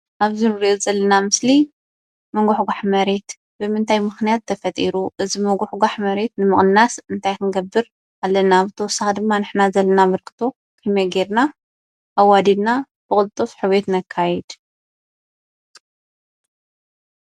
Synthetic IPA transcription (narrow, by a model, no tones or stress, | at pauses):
ʔaβzinɨɾiʔozʼɐlːɐnamɨsli | mɐŋɡuħɡaħmɐɾe̞t̪ | bɨmɨnt̪ʰajmɨxnijat̪ʰːɐfɐt̪ʼiɾuʔɨzimɐɡuħɡʷaħmɐɾe̞t̪nɨmɨχʼnːasɨnt̪ʰajk̪ɨnɨɡɐbːɨɾ | alːɐnaːβzɨt̪ʰɐwɔsːaxd̪ɨmːanɨħnazɐlːɐnamɐɾkʰɨ̥t̪ʰo̞ | kʰɨmɐɡeɾna | ʔawad̪id̪na | b̥ɨkʼɨlt̪ʼːofħɨβet̪nɐkʰːajɛd̪̥